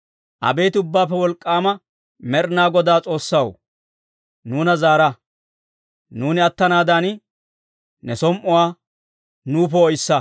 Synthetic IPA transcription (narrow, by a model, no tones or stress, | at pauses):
ʔɐ̰be̞ːt̪ɪʊbːaːpːɛwɔlkʼːaːmɐ | mɛɾnaːɡɔd̪aːt͡sʼo̞ːsːɐw | nuːnɐzaːɾɐ | nuːnɪɐt̪ːɐnaːd̪an | nɛsɔmʔɔwaː | nuːp̬ɔɔjsːɐ